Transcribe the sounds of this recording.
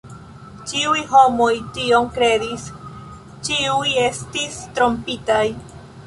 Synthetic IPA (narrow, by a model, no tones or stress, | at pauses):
t͡ʃiujɦo̞mo̞jtio̞ŋkɾe̞dis | t͡ʃiuje̞stistɾo̞mpitaj